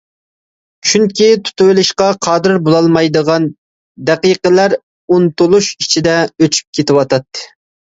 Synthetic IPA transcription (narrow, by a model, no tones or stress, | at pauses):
t͡ʃʰyŋkʲit̪ʰu̥t̪uwɪlɪʃqɑqʰɑːd̪ɪɾbolˠɑlˠmɑjd̪əʁɑn | d̪ɛqijqəlæɾ | unt̪ulˠuʃit͡ʃʰid̪ɛøt͡ʃʰy̥p̚kʲʰet̪ɪwɑt̪ɑt̪ːɨ̥